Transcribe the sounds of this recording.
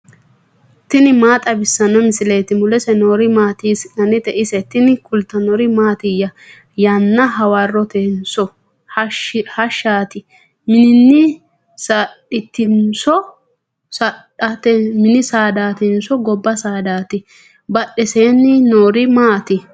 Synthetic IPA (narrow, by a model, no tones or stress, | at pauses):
t̪ɪnɪmaːt̪ʼɐbɪsːɐnɐmɪsɪleːt̪ɪmʊlɛsɛnoːɾɪmaːt̪iːsɐnɛt̪ɛʔɪsɛt̪ɪnɪkʰʊlt̪ːɐnɔɾɪmaːt̪ɪjɐ | janːɐɦɐwɐrːɔt̪ensɔ | hhɐʃaːt̪ɪ | mɪnɪnːɪ | saᶑɪt̪ːɪnsɔ | saᶑɐt̪ɛmɪnɪsaːd̪aːt̪ɛnsɔɡɔbːɐsaːd̪aːt̪ɪ | bɐɗːɛseːnːɪnoːɾɪmaːt̪ɪ